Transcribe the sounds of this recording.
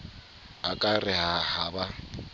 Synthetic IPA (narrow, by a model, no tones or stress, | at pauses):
akʼarɪhahaba